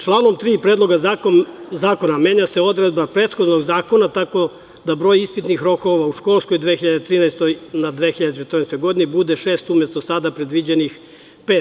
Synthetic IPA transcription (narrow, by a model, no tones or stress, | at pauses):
t͡ʃlˠaːno̞mt̪ɾiːpɾed̪lˠo̞ɡa | zaːko̞namje̞ːɲase̞o̞d̪ɾed̪̚bapɾe̞ːt̪xo̞d̪no̞ɡzaːko̞nat̪ako̞ | d̪abɾo̞jispit̪nixɾo̞ko̞ʋauʃko̞lˠsko̞jd̪ʋexiʎad̪et̪ɾiːnajst̪onad̪ʋe̞ːxiʎad̪et͡ʃet̪r̩nɛːst̪ojɡo̞d̪inibud̪e̞ʃe̞ːst̪umjest̪osad̪apɾe̞d̪ʋid͡ʑenix | peːt̪